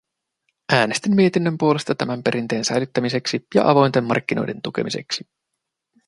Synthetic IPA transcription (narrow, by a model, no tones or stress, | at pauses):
ʔæːne̞st̪imːie̞t̪inːømpuole̞st̪ɑt̪æmæmpe̞ɾʔint̪e̞ːnsæjlyt̪ːæmise̞ksijɑ̰ʔɑʋo̞jnt̪e̞mːɑ̰rk̟ːino̞̰jde̞nt̪uke̞̰mise̞̰ksi